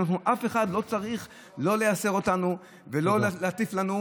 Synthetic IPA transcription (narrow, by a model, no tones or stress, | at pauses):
naχnuʔafe̞χad̪lo̞t͡saʁiχ | lo̞le̞jase̞ʁo̞tanu | velo̞leat̪iflanu